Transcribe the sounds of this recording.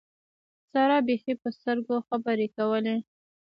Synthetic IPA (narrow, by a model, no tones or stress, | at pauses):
saɾɑbexepəst̪əɾɡoxabəɾekawəle